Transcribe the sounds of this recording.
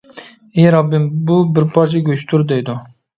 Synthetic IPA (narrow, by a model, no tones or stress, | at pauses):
eɾɑbːɪmbubɪɾpʰɑɾt͡ʃʰaɡʲøt͡ʃt̪ʰʊɾd̪ejd̪ʊ